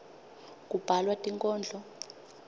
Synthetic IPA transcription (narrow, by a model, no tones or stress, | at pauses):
k̬ʼub̥ʱalwatʼiŋkʼɔːnd͡ɮʱɔ